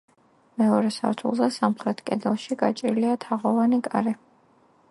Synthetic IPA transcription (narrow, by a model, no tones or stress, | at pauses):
mɛɔɾɛsa̰ɾt̪ʰṵlˠzɛsamχɾɛt̪ʰkʼɛd̪ɛlˠʃiɡat͡ʃʼḭɾliat̪ʰaʁɔvanikʼaɾi